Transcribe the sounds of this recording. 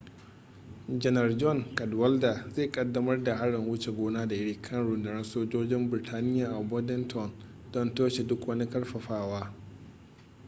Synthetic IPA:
d͡ʒɛ˦nɐ˨rd͡ʒɔ˦˨ŋkɐ˨dwɐ˦lda˨zeː˦˨kʼɐ˨dːɐ˦mɐ˦rda˨ha˦ɽɪ˨ŋwʊ˦t͡ʃe˨ɡʷoː˦naː˦da˨ɪ˦ɽiː˦kʰɐ˦nɽʊ˨ndɐ˨nɐ˦nsoː˦d͡ʒoː˦d͡ʒɪ˦mbɪ˨ɾɪ˨tʰaː˦nɪ˦jaː˨ʔa˨bɔ˦dɛ˦ntʰɔ˦˨n | dɔ˦˨ntoː˦ʃe˨dʊ˦kwɐ˦ni˦kɐ˦rɸɐ˨ɸaː˦waː˦

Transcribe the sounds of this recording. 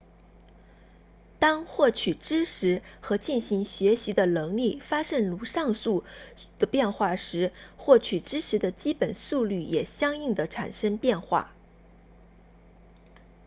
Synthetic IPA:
t̪ɑ˥ŋxwɔ˥˩t͡ɕʰy˨˩ʈ͡ʂɻ̩˥ʂʰɻ̩˧˥xɤ˧˥t͡ɕi˥˩nɕi˧˥ŋɕɥɛ˧˥ɕi˧˥d̪ə˧nɤ˧˥ŋli˥˩fa˥ʂə˥˩ŋlu˧˥ʂɑ˥˧ŋsu˥˩ | d̪̥ə˩pjɛ˥˧nxwa˥˩ʂɻ̩˧˥xwɔ˥˩t͡ɕʰy˨˩ʈ͡ʂɻ̩˥ʈ͡ʂʰɻ̩˧˥d̪ə˧t͡ɕi˥pə˨˩nsu˥˧ly˥˩jɛ˨˩ɕjɑ˥ŋi˥˩ŋd̪ə˩ʈ͡ʂʰa̰˨˩nʂə˥ŋpjɛ˥˧nxwa̰˥˩

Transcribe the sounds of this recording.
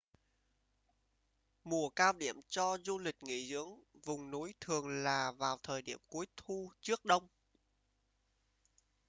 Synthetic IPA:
mu˨˩əkaː˧wɗḭ˧˩˨əmt͡ɕɔ˧zu˧lï˨˩k̟̚ŋḭ˧˨zɨ̰˧˥əŋvʊ˨˩ŋ͡mnu˨˦jt̪ʰɨ˨˩əŋlaː˨˩vaː˨˩wt̪ʰəː˨˩jɗi˧˩əmku˨˦əjt̪ʰu˧t͡ɕɨ˦˥ək̚ɗə˧wŋ͡m

